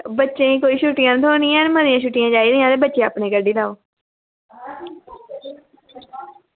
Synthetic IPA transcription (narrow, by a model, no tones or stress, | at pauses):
bətːʃẽːkoːiːʃuːʈɪjãːt̪ʰoːniːãːnmənjãːʃuːʈɪjãːd͡ʒaːiːd̪iːãːt̪eːbətːʃẽaːpneːkəɖiːlaːoː